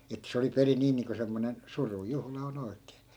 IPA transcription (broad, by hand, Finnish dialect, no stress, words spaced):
etːæ̆ se oli perin niː niːŋko semːonen surujuhlɑ on oi̯kˑeː